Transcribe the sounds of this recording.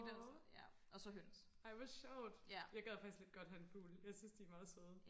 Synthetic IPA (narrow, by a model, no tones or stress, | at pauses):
djæ | ʔɒ̽sɒ̽ɦøns | äɪʋɒsɕɑʊd̥æjɑ̈ɪɡ̥ɛðˠfɑ̈ɡ̥isɡ̥le̝d̥̚ɡ̥ɒ̽d̥hæenfuːljɑ̈ɪsyːnsd̥iæmɑ̈ːð̩ˠsoð̩ˠ